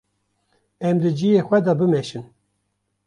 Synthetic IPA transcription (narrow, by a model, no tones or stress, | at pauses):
ɛmd̪ɨd͡ʒijeːxʷɛd̪ɑbɨmɛʃɨn